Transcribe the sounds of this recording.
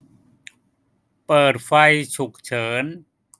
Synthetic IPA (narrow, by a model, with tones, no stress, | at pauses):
pɤː˨˩t̪̚fa˧jt͡ɕʰu˨˩k̚t͡ɕʰɤː˩˦n